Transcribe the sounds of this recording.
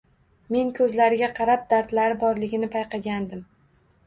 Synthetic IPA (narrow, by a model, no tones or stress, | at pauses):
me̞ŋkʰɵzlaɾɪɡʲaqʰɑɾap̚d̪aɾt̪laɾɪbɒɾlɪɡʲɪnɪpʰajqʰɑɡʲand̪ɪm